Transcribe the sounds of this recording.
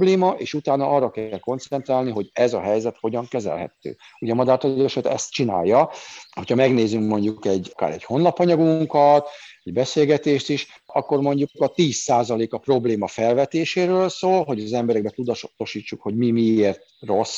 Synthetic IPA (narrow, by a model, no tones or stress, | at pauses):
bleːmɒʔeːʃut̪aːnɒɒrːɒkɛlko̞nt̪sɛnt̪raːlniɦo̞ɟɛzɒɦɛjzɛt̪ho̞ɟɒŋkɛzɛ̰lɦɛ̰t̪ø̰ːuɟɛmɒd̪aːt̪oloʃɛt̪ɛ̰st̪t͡ʃina̰ːjːɒho̞chɒmɛɡneːzyŋkmo̞ɲɟukɛɟka̰ːɾɛɟho̞nlɒpɒɲɒɡuŋkɒt̪ɛɟbɛseːlɡɛt̪eːʃt̪iʃ | ɒkːo̞rmo̞ɲɟukɒt̪iːsːaːzɒleːkɒpro̞bleːmɒfɛlvɛt̪eːʃeːɾøːlsoːlɦo̞ɟzɛmbɛɾɛɡ̚bɛt̪ud̪t̪oʃiːt͡ʃːukho̞ɟmimieːrt̪̚ro̞s